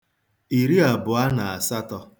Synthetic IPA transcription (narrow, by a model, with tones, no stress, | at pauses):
i˨ɾi˦a˨bʊ˨a˦na˨a˨sa˦tɔ˧